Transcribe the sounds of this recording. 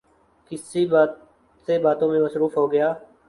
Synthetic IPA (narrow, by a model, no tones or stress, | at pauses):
kɪsiaː | sebaːt̪õmẽməsɾuːfɦoːɡəjaː